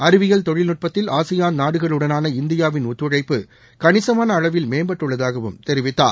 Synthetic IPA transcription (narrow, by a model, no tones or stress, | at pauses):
ɐɾɯʋɪɣɐɭt̪ɔɻɪlnʊʈ̚pɐt̪ːɪlaːsɪjaːnnaːɽɯɣɐɭɯɽɐnaːnɐɪnd̪ɪjaːʋɪnʊt̪ːɯɻɐɪpːɯ | kɐnɪsɐmaːnɐːɭɐʋɪlmeːmbɐʈːɯɭːɐðaːɣɐʋɯ̰mt̪ɛɾɪʋɪt̪ːa̰ːɾ